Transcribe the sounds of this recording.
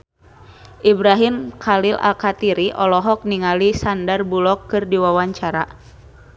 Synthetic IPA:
ʔibɾaɦimkʰalilʔa̰lkat̪iɾiʔɔlɔɦɔk̚niŋalisandarbulɔkːɨrdiwawaɲt͡ʃaɾa

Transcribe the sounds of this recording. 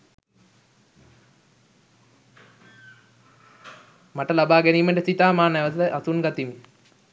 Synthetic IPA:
maʈəlabaːɡæniːməʈəsit̪aːmaːnæʋəs̬əʔasunɡat̪imi

